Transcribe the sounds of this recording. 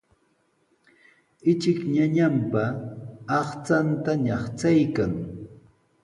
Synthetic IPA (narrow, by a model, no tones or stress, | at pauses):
ɪt͡ʃɪkɲaɲampaɑχt͡sant̪aɲɑχt͡sajkaŋ